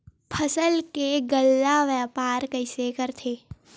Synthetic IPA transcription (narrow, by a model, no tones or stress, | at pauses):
pʰəsəlkeɡəlːaʋəpaːɾkəɪsekəɾt̪ʰeː